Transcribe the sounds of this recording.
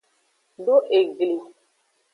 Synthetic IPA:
do˦ʔe˨ɡli˨

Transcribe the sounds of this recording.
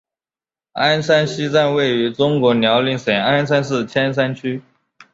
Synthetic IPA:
a˥nsa˥nɕi˥t͡sa˥˧nwe˥˩ɪy˧˥ʈ͡ʂʊ˥ŋkwɔ˧˥njɑ˧˥ʊli˥˩ŋʂe˨˩a˥nsa˥nsɹ̩˥˩t͡ɕʰjɛ˥ns̬a˥nt͡ɕʰy˥

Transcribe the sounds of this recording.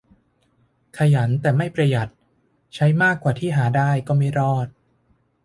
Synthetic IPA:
kʰa˧ja˩˦nt̪ɛː˨˩ma˥˩jpɾa˧ja˨˩t̪̚ | t͡ɕʰa˦˥jmaː˥˩kːwaː˨˩t̪ʰiː˥˩ɦaː˩˦daː˥˩jkɔː˥˩ma˥˩jɾɔː˥˩t̪̚

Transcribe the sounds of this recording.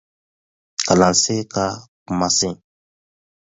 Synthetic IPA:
ka˨lã˨se˦ka˦ku˦ma˦sẽ˦

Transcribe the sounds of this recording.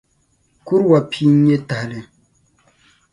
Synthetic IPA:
ku˦ɾwa˨pʰi˦ɲe˦ta˨hlɪ˨

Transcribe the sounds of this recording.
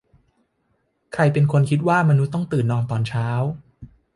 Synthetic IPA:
kʰɾa˧jpe˧nkʰo˧nkʰi˦˥t̪̚waː˥˩ma˧nu˦˥t̪ːɔ˥˩ŋt̪ɯː˨˩nːɔː˧mt̪ɔː˧nt͡ɕʰaː˦˥w

